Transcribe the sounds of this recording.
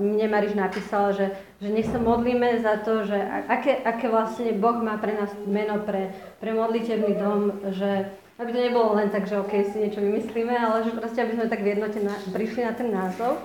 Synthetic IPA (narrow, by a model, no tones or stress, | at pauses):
mɲɛmaɾiʒnapiːsalʒɛ | ʒɛɲɛxsamɔd̪liːmɛzat̪ɔʒɛa̰ʔakɛːʔakɛːʋlasɲɛbɔɣmaːpɾɛnaːsmɛnɔpɾɛ | pɾɛmɔd̪licɛbnid̪ɔmʒɛ | abit̪ɔɲɛbɔlɔlɛnt̪aɡʒɛɔkɛjsiɲɪɛt͡ʃɔʋimisliːmɛalɛʒɛpɾɔscɛabizmɛt̪aɡʋjɛd̪nɔcɛnapɾiʃlinat̪ɛnːaːzɔʊ